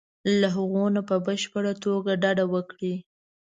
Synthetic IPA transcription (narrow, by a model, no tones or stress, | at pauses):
laɦaɣonapəbəʃpəɽat̪oɡaɖɑɖawəkɽi